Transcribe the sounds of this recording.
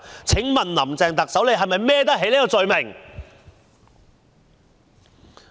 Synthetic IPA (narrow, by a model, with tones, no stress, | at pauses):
t͡sʰɪ˨˥ŋmɐ˨nlɐ˨˩mt͡sɛː˨ŋt̪ɐ˨k̚sɐ˨˥wle˨˧ɦɐ˨jmɐ˨jmɛː˥t̪ɐ˥k̚ɦe˨˥jleː˨˥kɔ˧t͡sɵ˨ɥmɪ˨˩ŋ